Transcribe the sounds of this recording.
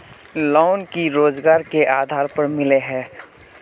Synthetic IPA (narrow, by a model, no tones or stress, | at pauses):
lɔːnkiɾoːd͡ʒɡaːɾkeʔaːd̪ʱaːɾpəɾmɪleɦɛː